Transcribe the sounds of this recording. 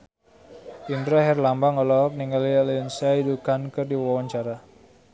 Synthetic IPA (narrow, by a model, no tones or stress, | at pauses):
indɾaɦɛrlambaŋɔlɔk̚niŋalialiɔnsaidukankərdiwawaɲt͡ʃaɾa